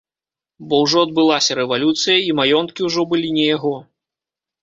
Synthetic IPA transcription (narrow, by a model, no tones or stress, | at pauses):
bɔwʐɔɐd̪̚bɨlˠasʲɐɾɛvalʲut̪sɨjɐimajɔnt̪̚kʲiwʐɔbɨlʲinʲɛjaɣɔ